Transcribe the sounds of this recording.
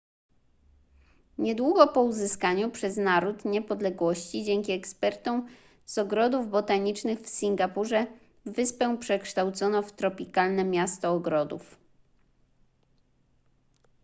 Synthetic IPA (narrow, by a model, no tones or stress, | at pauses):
ɲɛd̪wuɡɔpɔuzɘskaɲupʂɛznaɾut̪ɲɛpɔd̪lɛɡwɔɕt͡ɕid͡ʑɛŋkʲiɛkspɛɾt̪ɔ̃w̃ | z̥ɔɡɾɔd̪uvbɔt̪aɲit͡ʂnɘɣfsʲiŋɡapuʐɛ | vɘspɛw̃pʂɛkʂt̪awt̪sɔnɔft̪ɾɔpʲikalnɛmʲjast̪ɔːɡɾɔd̪ṵf